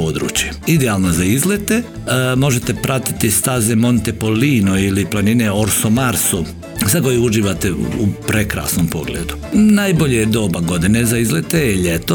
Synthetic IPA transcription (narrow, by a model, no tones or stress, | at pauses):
od̪ɾṵːt͡ʃjeid̪eaːlˠnazaizlet̪e̞ | mo̞ʒet̪e̞pɾʔat̪i̥t̪ist̪azemo̞nt̪epo̞liːnoiliplˠanineoɾsomaɾso | sako̞jeuʒiːʋat̪eupɾe̞kɾa̰ːsnompo̞ɡlḛːd̪unajboʎejd̪o̞ːbaɡo̞d̪ine̞zaizlet̪ejeʎet̪o